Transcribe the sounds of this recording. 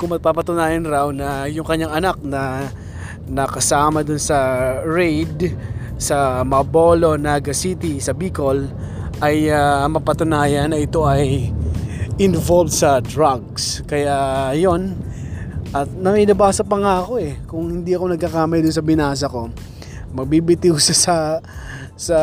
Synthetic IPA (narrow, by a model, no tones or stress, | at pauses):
kʊmɐpapɐt̪ʊnaːjɐnɾawnɐjʊŋkɐɲːaŋɐnak̚nɐ | nɐkɐsaːmɐd̪ʊnsɐɹɛjd̪ | sɐmɐbo̞lo̞naɡɐsit̪isɐbikol | ʔɐjamɐpɐt̪ʊnaːjɐnːɐʔɪt̪o̞ʔɐj | ɪnvolvd̪sɐd̪ɹaɡ̚skɐjajo̞n | ʔɐt̪̚nɐmɐjnɐbaːsɐpɐŋaɐko̞ɛkʊŋhɪnd̪iʔɐko̞nɐɡ̚kɐkaːmɐjd̪ʊnsɐbɪnaːs̬ɐko̞ | mɐɡ̚bibɪt̪iwsɐsɐ | sɐ